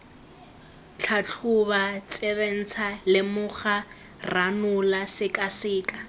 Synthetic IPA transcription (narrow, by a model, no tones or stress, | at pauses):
t͡ɬʰat͡ɬʰʊβat͡sʼɛβen̩t͡sʰalɪmʊχa | ranʊlasɪkʼasɪːkʼa